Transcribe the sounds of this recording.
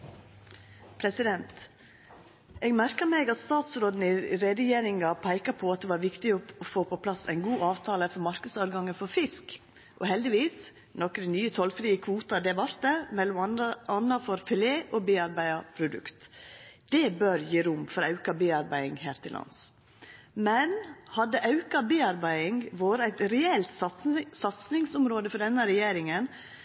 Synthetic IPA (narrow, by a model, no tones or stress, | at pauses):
pʰɾɛsɪd̪ɛnt̪ | eːɡmæɾkəmɛɡɑt̪st̪ɑːt̪sɾoːd̪n̩ɪɾɛd̪əjeːɾɪŋɑpʰæɪkɑpʰɔɑt̪̚d̪ɛʋɑːɾʋɪkt̪ɪɔɔfoːpʰɔpʰlɑsæ̰ɪnɡuːʔɑːʋt̪ʰɑːləfɔɾmɑɾkəsɑːd̪ɡɑŋəfɔɾfɪsk | ʔɔhɛld̪ɪʋiːs | nɔkɾənyːət̪ʰɔlfɾiːəkʰʋuːt̪ɑd̪ɛʋɑɾt̪ɛmɛlːɔmɑnːɑfɔɾfɛleːʔɔbeːɑɾbæɪɑpʰɾʊd̪ʉ̰kt̪d̪̥ɛbøɾjiːɾʊmfɔɾɑʉkɑbeːɑɾbæɪɪŋhæːɾt̪ʰɪlʔɑ̰ns | mɛnhɑd̪ːəʔɑʉkɑbeːɑɾbæɪɪŋʋoːɾəæɪt̪ɾɛɛlt̪sɑt̪snɪŋsʊmɾoːd̪əfɔɖɛnːəɾɛjeːɾɪŋən